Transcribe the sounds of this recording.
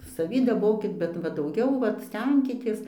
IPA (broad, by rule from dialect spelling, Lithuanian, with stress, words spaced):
sɐˈʋʲiː dɐˈboːkʲɪt bʲɛt ˈʋɐ dɐʊˈɡʲɛʊ ˈʋɐt ˈsʲtʲɛŋʲkʲɪtʲeːs